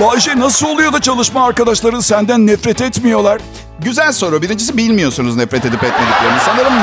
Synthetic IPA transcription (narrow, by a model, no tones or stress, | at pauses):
baːd͡ʒɛnasɯlˠolˠujo̞d̪at͡ʃʰalˠɯʃmaːɾkad̪aʃlˠaɾɯnsænd̪ænːɛfɾɛt̪ɛt̪mijo̞lˠaɾ̥ | ɟyzælʲso̞ɾabiɾind͡ʒisibilʲmijo̞sunuznɛfɾɛt̪ed̪ipɛt̪med̪iclʲeɾininsanˠaɾɯm